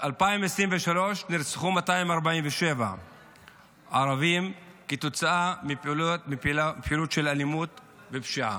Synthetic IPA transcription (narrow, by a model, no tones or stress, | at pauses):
ʔalpaimesʁimveʃalo̞ʃniʁt͡sχumataimaʁbaimveʃe̞va̰ | aʁavim | ket̪ot͡saamimiilapħilut̪ʃe̞lalimut̪ | vepʃiʔa̰